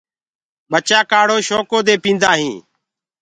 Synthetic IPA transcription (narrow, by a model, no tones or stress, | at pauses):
ɓət͡ʃaːkaːɽoːʃoːkoːd̪eːpĩːnd̪aːɦĩː